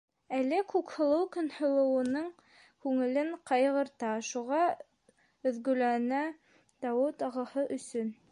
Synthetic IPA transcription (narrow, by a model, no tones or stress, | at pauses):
ælːɘkʉkhɤ̆lˠɤwkɵ̆nhŏlˠɤ̆wɤ̆nɤɴ | kʉŋɘ̆lɘɴqɑjʁɤ̆ɾt̪ɑʃuʁɑ | ɵ̆ðɡɵ̆lænæ | d̪ɑwɘt̪ɑʁɤ̆hɤʔɵ̆sɵn